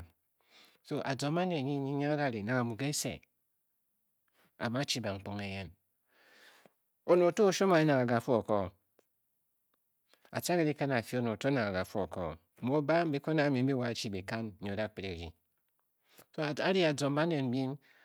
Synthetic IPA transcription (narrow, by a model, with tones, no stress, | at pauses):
so˦ʔa̰˨d͡zo˨ma˦ne˨n˨ɲi˦ɲi˦ɲa˦a˦da˦˨ɾi˨na˨ŋa˨mu˨ɡe˦sḛ˨ | a̰˨ma˦t͡ʃi˦ba˨ŋ͡m̩˨k͡po˦ŋe˨je˦n | o˨no˨to˦o˨ʃo˦ma˨e˦na˨ŋa˨ɡa˨fo˦o˨ko˦˨ | a̰˨t͡ʃa˦ke˨˦ɾi˦ka˦na˨fi˨˦o˦no˨to˦na˨ŋa˨ɡa˨fu˦o̰˨ko̰˦˨mo˦ba˦m̩˦bi˦ko˦na˨˦˨mi˨m̩˦bi˦wa˦˨˦t͡ʃi˦be˨ka˦n˦o˨da˦k͡pɾe˦˨ɾḭ˨ | so˦˨a˦ɾi˦a˨d͡zo˨m˦ba˦ne˨n̩˨˦bi˦n